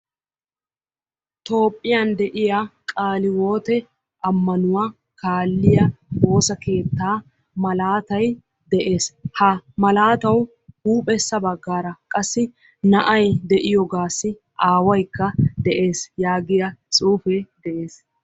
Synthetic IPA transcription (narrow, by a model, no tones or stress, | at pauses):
t̪o̞ːpʼːɪjɐnd̪ɛʔɪjakʼaːlɪwo̞ːt̪ɛ | ɐmːɐnʊwa | kʰaːlːɪjɐbo̞ːsɐke̞ːt̪ːaː | mɐlaːt̪ɐj | d̪ɛʔe̞ːshɐmɐlaːt̪ɐw | huːpʼɛsːɐbɐɡːaːɾɐkʼɐsːɪ | nɐʔɐjd̪ɛʔɪjɔɡaːsːɪ | ʔaːwɐjkːɐd̪ɛʔe̞ːsjaːɡɪjɐt͡sʼuːfɛd̪ɛʔe̞ːs